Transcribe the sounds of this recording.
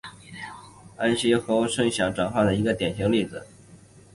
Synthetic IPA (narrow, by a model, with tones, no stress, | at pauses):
a˥nɕi˥xɤ˧˥˩ʂɤ˥˩ŋɕjɑ˧˥ŋʈ͡ʂwa˨˩nxwa˥˩d̪ə˩i˧˥ɡə˧t̪jɛ˨˩nɕi˧˥ŋli˥˩d͡z̩˩